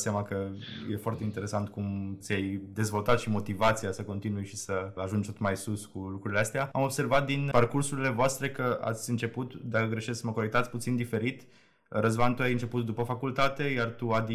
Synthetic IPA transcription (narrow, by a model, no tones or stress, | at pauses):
samakəje̞foart̪e̞int̪eɾe̞sant̪kumt̪sʲjajd̪e̞zvo̞lt̪at̪ʃimo̞t̪ivat̪sijasəko̞nt̪inujʃisəaʒund͡ʒt̪ot̪majsuskulukɾuɾile̞ast̪eaamo̞bse̞rvat̪̚d̪inparkursuɾile̞voast̪ɾe̞kəa̰t̪sʲɨnt͡ʃe̞put̪d̪akəɡɾe̞ʃesksməko̞ɾekt̪at̪sʲput̪sind̪ife̞ɾit̪ | ɾəzbant̪uajɨnt͡ʃe̞put̪̚d̪upəfakult̪at̪e̞jart̪uad̪i